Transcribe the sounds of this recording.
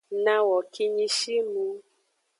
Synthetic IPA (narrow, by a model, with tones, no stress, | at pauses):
nã˧wɔ˨kʰi˧ɲĩ˧ʃi˦lu˧˦